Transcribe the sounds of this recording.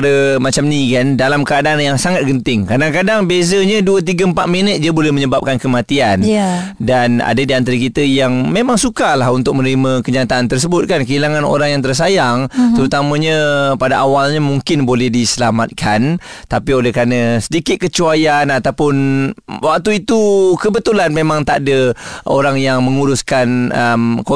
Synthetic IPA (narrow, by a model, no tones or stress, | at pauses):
ɾəmat͡ʃamnikandalamkəadaʔanjaŋsaŋat̪̚kənt̪ɪŋkadaŋkadaŋbezəɲəduət̪̬iɡəəmpat̪̚minət̪̚d͡ʒiəbolɛhmə̃ɲəbap̚kankəmãt̪ian | dana̰dadiant̪aɾakit̪əjaŋmemãŋsukalahunt̪ʊk̚mənɾimə̃kəɲat̪aant̪ərs̬əbʊt̪̚kankəilaŋano̰ɾaŋjaŋt̪ərs̬ajaŋt̪əɾut̪amə̃ɲə̃padaʔawalɲamuŋkɪnbolɛhdisəlamat̪̚kʰant̪apiolɛhkɾanãsədikɪt̪̚kət͡ʃuajanat̪awpʊnwak̚t̪uit̪ukəbət̪ulanmemãŋt̪aʔdəo̰ɾaŋjaŋmə̃ŋuɾʊskanəmko